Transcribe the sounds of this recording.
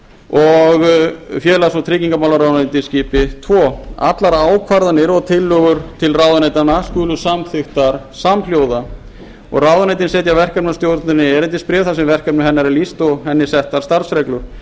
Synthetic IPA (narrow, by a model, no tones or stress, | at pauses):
ɔɣfjɛːlasɔt̪ʰɾɪːciŋkamawlaɾawðanet̪ɪsciːpɪt̪ʰvɔːa̰t̪laɾaːwkʰvaɾðanɪɾɔɣt̪ʰɪlːœɣʏɾ̥t̪ʰɪlrawðanejt̪anːaskʏːlʏsamθɪxt̪aɾ̥ | samljoːwða | ɔ̰ɣrawðanejt̪ɪnsɛːt̪javɛr̥kɛpnast̪joːwt̪nɪnɪɛɾɛnt̪ɪspɾɛːɾθasɛmvɛr̥kɛpnʏɦɛnːaɾɛlist̪ɔɣɦɛnːɪsɛht̪aɾst̪aɾsɾɛklʏɾ̥